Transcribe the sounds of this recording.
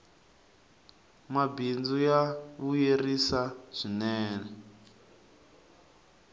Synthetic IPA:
mabind͡zujaβujerisaz̥inɛːnɛ

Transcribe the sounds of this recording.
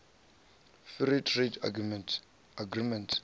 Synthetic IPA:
fiɾitʰɾeda | aɡɾimɛ̃nt

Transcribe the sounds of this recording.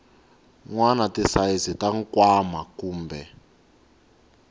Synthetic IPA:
ŋwanatisajizitaŋ̩kwamakuːmbʱɛ

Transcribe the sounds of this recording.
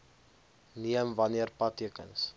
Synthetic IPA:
niəmvɐniərpɐtːiəkə̰ns

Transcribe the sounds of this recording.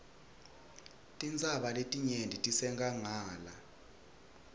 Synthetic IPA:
tʼint͡sʼaɓaletʼiɲendʱitʼisɛŋɡʱaŋaːla

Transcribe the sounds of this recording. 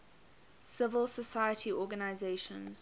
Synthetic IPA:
sɪvəlˠsəsaɪətʰiʔɔːɡənaɪzeɪʃə̰̃nz̥

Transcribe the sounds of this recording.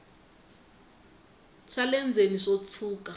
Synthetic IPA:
t͡ʃʰalɛnd͡zʱeniʂot͡sʰuːka

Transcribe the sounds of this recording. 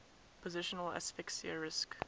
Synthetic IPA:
pʰəzɪʃənəlɛ̰sfɪksiəɹɪsk

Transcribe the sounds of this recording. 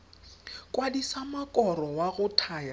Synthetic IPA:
kʼwadisamakʼɔrɔwaɣʊtʰaja

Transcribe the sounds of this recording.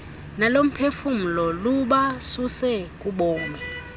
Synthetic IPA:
nalom̩pʰefum̩lɔluɓasusɛk̬ʼuɓɔːnɛ

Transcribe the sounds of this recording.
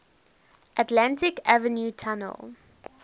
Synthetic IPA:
ʔətlãntɪkavənjutʰanə̰lˠ

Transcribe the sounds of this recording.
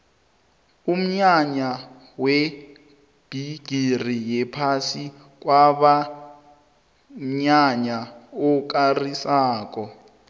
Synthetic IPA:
um̩ɲaɲa | we | b̥ʱiɡ̥ʱir̤ijɛpʰasi | k̬ʼwaɓa | ɲaɲaɔk̬ʼarisaːk̬ʼɔ

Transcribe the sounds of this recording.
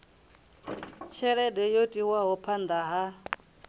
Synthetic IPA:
t͡ʃʰɛɺɛdɛjotʼiwaɦɔpʰand̪aɦa

